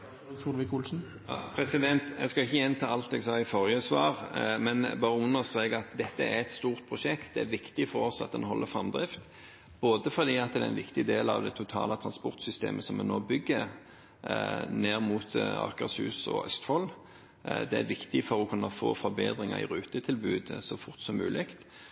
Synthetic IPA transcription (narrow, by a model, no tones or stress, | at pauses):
uːlʋɪkuːlsn̩ | pʰɾɛsɪd̪ɛnt̪ɛɡskɑɪçəjɛnt̪ʰɑːɑlt̪ɛɡsɑːɪfɔɾjəsʋɑːɾmɛnbɑːɾəʊnːəsɛːɡɑt̪d̪ɛt̪ːəæɾɛt̪st̪uːɾt̪̚pʰɾʊʃɛkt̪̚d̪ɛæɾʋɪkt̪ɪfɔɾɔsɑt̪̚d̪ɛnɦɔ̰lːəɾfɾɑmd̪ɾɪft̪ | boːd̪əfɔd̪iːɑt̪̚d̪ɛæɾɛnʋɪkt̪ɪd̪eːlɑ̰ʋd̪ɛt̪ʰʊt̪ʰɑ̰ːlət̪ʰɾɑnspɔʁt̪sʏst̪ḛːmʔəsɔmɛnoːbʏɡːəɾ | neːʁmuːt̪ɑ̰kɑsʉ̰ːsɔ̰œ̰st̪fɔlː | d̪ɛæ̰ɾʋɪkt̪ɪfɔɾɔkʰʉnːɑfo̰ːfɔɾbeːd̪ɾɪŋɑ̰ɪ̰ɾʉːt̪ət̪ʰɪlbʉ̰ːd̪sɔfʊʁt̪sɔmːʉ̰ːlʔɪkt̪